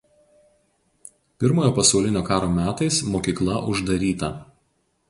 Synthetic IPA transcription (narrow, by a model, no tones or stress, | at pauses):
pʲɪɾmoːjoːpɐsɐʊlʲɪnʲoːkɑːɾoːmʲæːt̪ɐɪsmoːkʲiːklˠɐʔʊʒd̪ɐɾʲiːt̪ɐ